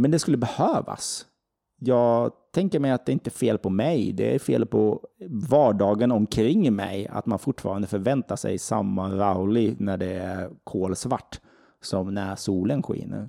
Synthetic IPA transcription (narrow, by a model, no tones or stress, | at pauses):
mɛnd̪ɛskɵlːəbɛhøːva̰s | jɑːɡt̪ʰɛŋkəɾmɛjat̪̚d̪ɛɪnt̪əfeːlpʰɔmɛjd̪ɛ̰ɾfeːlpʰɔvɑːɖɑːɡənɔmkʰɾɾɪŋːmɛ̰ja̰t̪manfʊʈːfɑːɾand̪əfœɾvɛnt̪aʂɛ̰jsa̰mːaɾaʊlɪɡnæɖɛæɾkʰoːlsvaʈː | sɔmnæɾsuːlənɧḭːnə̰ɾ